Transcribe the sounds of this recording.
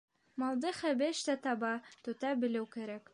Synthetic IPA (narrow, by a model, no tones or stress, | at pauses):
mɒlˠd̪ɤχæbɘʃt̪æt̪ɑbɑt̪ɵ̆t̪æbɘ̆lɘwkæɾæk